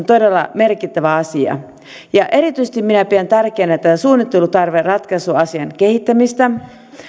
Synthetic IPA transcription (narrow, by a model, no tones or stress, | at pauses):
nt̪odelːɑ̰merkit̪ːæʋæɑsiɑ̰ | jɑʔe̞ɾit̪yise̥t̪iminæpiænt̪ærkeːnæet̪ːæsuːnːit̪ːelut̪ɑrʋerrɑt̪kɑsuɑsiɑnkehit̪ːæmist̪æ